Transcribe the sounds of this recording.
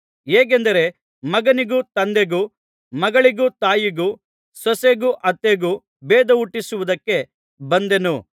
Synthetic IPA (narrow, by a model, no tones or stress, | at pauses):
eːɡend̪ɐɾe̞ | mɐɡɐniɡut̪ɐnd̪eɡu | mɐɡɐɭiɡut̪aːjiɡu | sɐseɡuʔɐt̪ːeɡu | beːd̪ɐuʈːisuʋud̪ɐkːe̞ | bɐnd̪e̞nu